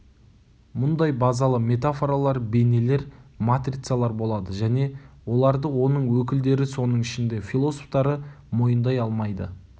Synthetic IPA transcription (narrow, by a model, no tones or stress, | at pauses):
mʊnd̪ɑjbɑzɑlˠəme̞t̪afo̞ɾalˠɑɾbe̞ne̞le̞ɾmat̪rʲit̪salˠɑɾbo̞lˠɑd̪əʒæne̞wo̞lˠɑɾd̪əwo̞nəɴwɵkʲɪld̪e̞ɾɪso̞nəɴɪʃɪnd̪e̞fʲilˠo̞soft̪ɑɾə | mo̞jənd̪ɑjɑlˠmɑjd̪ə̰